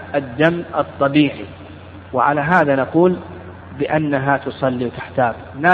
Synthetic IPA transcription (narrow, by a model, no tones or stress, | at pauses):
ʔad̪ːamːʔɨt̪ˤːɑbiːʕḭ | wɪʕa̰laɦaːðanaquːl | bɪʔanːaɦat̪ʊsˤɑlːiwt̪aħt̪aːb | na